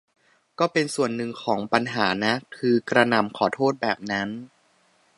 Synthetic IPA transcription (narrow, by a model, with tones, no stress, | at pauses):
kɔː˥˩pe˧nsu˨˩ənːɯ˨˩ŋkʰɔː˩˦ŋpa˧nɦaː˩˦na˦˥kʰɯː˧kɾa˧na˨˩mkʰɔː˨˩˦t̪ʰoː˥˩t̪̚bɛː˨˩p̚na˦˥n